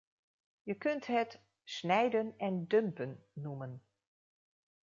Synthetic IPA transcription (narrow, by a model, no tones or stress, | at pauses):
jəkɵntɦɛt | snɛjdənɛndømpənːumən